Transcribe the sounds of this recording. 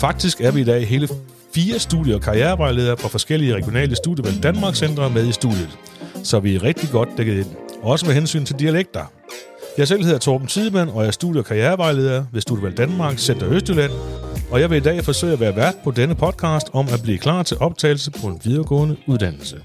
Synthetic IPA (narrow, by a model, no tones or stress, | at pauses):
fɑ̈ɡ̥̚d̥isɡ̥æɐʋiid̥ɛ̰ːɦe̝ːlə | fiːɐsd̥ṵðˠjəɒkʰɑ̈ieːɐʋɑ̈ɪ̰le̝ːð̞ˠɐːfʁɑ̈fɒ̽sɡ̥el̰iəʁɛɡ̥jo̝nɛ̰ːləsd̥ṵðˠjəʋæl̰d̥ænmɑ̈ːɡ̥sen̰d̥ʁɐmeð̞ˠisd̥ṵðˠjəð̩ˠ | sɒ̽ʋiæʁɛɡ̥̚d̥iɡ̥ɒ̽d̥ːeɡəð̞̩ˠenɒ̽səmeɦensy̰ːnt͡sʰe̝ld̥iæleɡ̥̚d̥ɐ | jɑ̈sel̰he̝ðˠɐt͡sʰoːb̥n̩t͡sʰiðˠəmæn̰ɒ̽æɐsd̥ṵðˠjəɒkʰɑ̈ijeːɐbɑ̈ɪle̝ːð̞ˠɐʋesd̥ṵðˠjəʋæl̰d̥ænmɑ̈ːɡ̥sen̰d̥ɐøsd̥ylæn̰ɒ̽jɑ̈ɪʋe̝id̥ɛ̰ːfɒ̽sø̰ɪ̰æʋæːɐʋæɐd̥̚pʰɒ̽d̥enəpʰɒ̽d̥̚kʰɑ̈ːsd̥ɒ̽mæb̥lḭːkʰl̥ɑ̰̈ːt͡sʰe̝lʔɒ̽b̥̚t͡sʰɛ̰ːɪl̩səpʰɒ̽e̝nʋiðˠɐɡ̥ɔ̰ːnəuð̞ˠd̥æn̰l̩sə